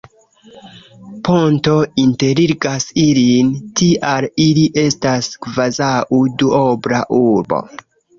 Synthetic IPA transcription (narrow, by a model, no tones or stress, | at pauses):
po̞nto̞inte̞ɾiɾɡasilintiʔaliliʔe̞staskvazaʔuduobɾaʔuɾbo̰